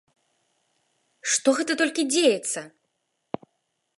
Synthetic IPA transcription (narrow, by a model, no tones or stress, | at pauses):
ʂt̪ɔɣɛt̪ɐt̪ɔlʲkʲid͡zʲejɛt̪sɐ